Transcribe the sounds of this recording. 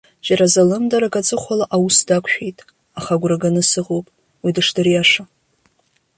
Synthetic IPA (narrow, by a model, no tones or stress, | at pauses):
d͡ʒaɾazalɨmdaɾakʼat͡sʼɨχʷalaʔawusdakʷʰʼʃᶣejtʼ | aχaɡʷraɡanɨsɨʁowpʼ | widɨʂdarijaʂa